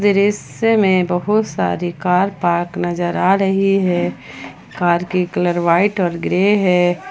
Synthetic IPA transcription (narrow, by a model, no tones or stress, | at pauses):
d̪ɪɾɪs | emẽbəɦʊt̪sa̰ːɾikaːɾpaːɾknɐd͡ʒəɾaːɾəɦiɦɛː | kaːɾkikələɾʋaːɪʈɔːɾɡɾeɦɛː